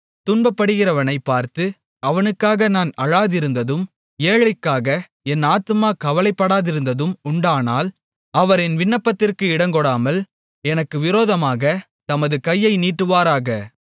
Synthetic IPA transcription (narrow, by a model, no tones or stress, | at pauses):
t̪ʊnbɐpːɐɽɯɣɪrɐʋɐnɐɪpːaːɾt̪ɯ | ɐʋɐnɯkːaːɣɐnaːnɐɻaːðɪɾɯnd̪ɐðɯm | eːɻɐɪkːaːɣɐ | ɛnaːt̪ɯmaːkɐʋɐlɐɪpːɐɽaːðɪɾɯnd̪ɐðɯmʊɳɖaːnaːl | ɐʋɐɾɛnʋɪɳːɐpːɐt̪ːɪrkɯɪɽɐŋɡɔɽaːmɐl | ɛnɐkːɯʋɪɾoːðɐmaːɣɐ | t̪ɐmɐðɯkɐjːɐɪniːʈːɯʋaːɾaːɣɐ